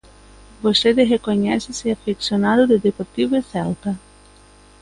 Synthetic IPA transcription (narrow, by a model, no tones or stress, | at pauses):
bost̪eðeɦekoɲɛseseafiksjonaðuðeðepoɾt̪iβeθɛlt̪a